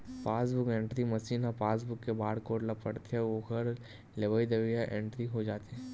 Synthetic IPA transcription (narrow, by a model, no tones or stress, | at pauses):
paːsbʊkẽːɳʈɾimɐsiːnɦɔpaːs̬bʊkːebaːɽkoːʈlɐpɐɽt̪eɦɛ̃oːkəɾ | leʋəid̪ɐʋijaʔẽːɳʈɾiɦod͡ʒaːt̪eɦɛ̃